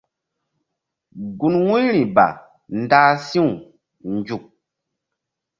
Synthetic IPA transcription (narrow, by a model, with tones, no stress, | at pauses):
ɡu˨nwu˦ɾi˨ba̰˨ | n˦daː˦sĩ˦u˨ | nd͡ʒu˨k̚